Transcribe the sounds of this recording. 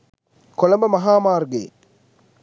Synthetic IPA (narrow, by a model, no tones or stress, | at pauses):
kɔlɐmbɐmɐɦaːmaːɾɡḛ